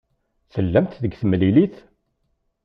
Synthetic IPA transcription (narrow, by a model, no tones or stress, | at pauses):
θəlːæmt̪ðəɡθəmliliθ